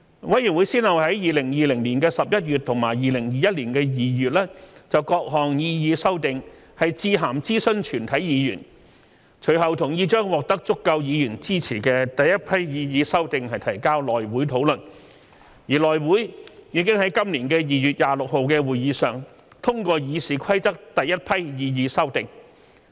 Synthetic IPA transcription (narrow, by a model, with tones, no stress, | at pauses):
wɐ˨˥jyː˨˩nwu˨˥jsiː˥nhɐ˨˩whɐ˨˥jjiː˨lɪ˨˩ŋjiː˨lɪ˨˩ŋliː˨˩nkɛː˧sɐ˨p̚jɐ˥t̚jy˨t̚t̪ʰʊ˨˩ŋmaː˨˩jjiː˨˩lɪ˨˩ŋjiː˨˧jɐ˥t̚liː˨˩nkɛː˧jiː˨jyː˨t̚lɛː˥t͡sɐ˨wkɔː˧k̚ɦɔː˨˩ŋjiː˧jiː˨˧sɐ˥wt̪ɪ˨˧ŋ | hɐ˨jt͡siː˧ɦaː˨˩mt͡siː˥sɵ˥nt͡ʃʰyː˨˩nt̪ʰɐ˨˥jjiː˨˧jyː˨˩n | t͡ʃʰɵ˨˩ɥɦɐ˨wt̪ʰʊ˨˩ŋjiː˧˥t͡ʃœː˥ŋwɔː˨k̚t̪ɐ˥k̚t͡sʊ˥kːɐ˧wjiː˨˧jy˨˩nt͡siː˥t͡sʰiː˨˩kɛ˧t̪ɐ˨jːɐ˥t̚pʰɐ˥jjiː˨˧jiː˨˧sɐ˥wt̪ɪ˨ŋɦɐ˨jt̪ʰɐ˨˩jkaː˥wlɔː˨jwuː˨˥jt̪ʰo˨˥wlɵ˨n | jiː˨˩lɔː˨jwuː˨˥jjiː˨˧˥kɪ˥ŋhɐ˨˥jkɐ˥mliː˨˩nkɛː˧jiː˨jyː˨˩t̚jaː˨lʊ˨k̚ho˨wkɛː˧wuː˨jiː˨˧sœː˨˩ŋ | t̪ʰʊ˥ŋkɔː˧jiː˨˧siː˨kʰɐ˥jt͡sɐ˥k̚t̪ɐ˨jːɐ˥t̚pʰɐ˥jjiː˨˧jiː˨˧sɐ˥wt̪ɪ˨ŋ